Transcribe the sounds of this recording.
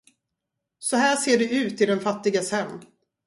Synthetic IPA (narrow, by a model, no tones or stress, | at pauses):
sɔɦæːʂeːɖɛʉ̟ːt̪ɪd̪ɛnfat̪ːɪɡasɛnː